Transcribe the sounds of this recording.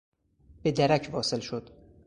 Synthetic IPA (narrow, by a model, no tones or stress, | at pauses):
b̥ed̪æɾæcʰvɒːselʃod̪̥